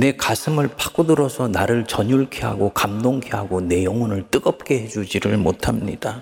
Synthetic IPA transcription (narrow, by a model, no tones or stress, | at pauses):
ne̞kasʰɯmɯɭpḁk͈udɯɾʌsʰʌnaɾɯɭt͡ɕʌɲuɭkʰeɦa̰ɡokamdoŋkʰeɦaɡone̞jʌŋunɯɭt͈ɯɡʌp̚k͈e̞he̞d͡ʑud͡ʑiɾɯɭmotʰamɲid̥a